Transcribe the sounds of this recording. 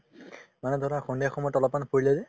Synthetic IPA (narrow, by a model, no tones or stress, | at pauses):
manɛdʱɔɾaxɔndijaxʰɔmɔtɔlɔpːanpʰoɹilɛzɛ